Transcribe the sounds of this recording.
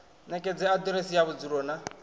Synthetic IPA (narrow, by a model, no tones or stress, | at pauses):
nɛkʼɛd͡zɛad̪uɾesijaβud͡zuɾɔːna